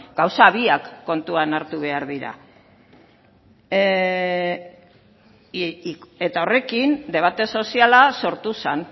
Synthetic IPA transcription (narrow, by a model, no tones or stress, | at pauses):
ɡawsaβiakːo̞nt̪uanaɾt̪uβ̞e̞aɾðiɾa̰ | e̞t̪ao̞re̞kind̪e̞β̞at̪e̞so̞sialaso̞ɾt̪usan